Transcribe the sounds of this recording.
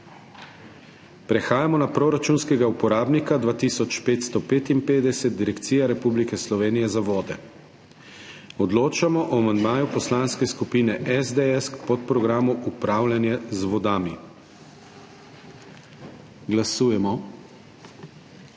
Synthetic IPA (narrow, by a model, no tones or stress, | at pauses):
pɾɛxaːjamɔnapɾoɾat͡ʃuːnskɛɡaupɔɾaːbnikad̪ʋaːt̪iːsɔt͡ʃpeːt̪st̪ɔpeːt̪impeːd̪ɛsɛt̪̚d̪iɾɛkt̪siːjaɾɛpublikɛslɔʋeːnijɛzaʋɔːd̪ɛ̰ | ɔd̪loːt͡ʃamɔʔɔamand̪maːjupɔslaːnskɛskupiːnɛʔɛzd̪eɛskpɔt̪̚pɾɔɡɾaːmuʔupɾaːwljanjazʋɔd̪aːmi | ɡlasuːjɛmɔ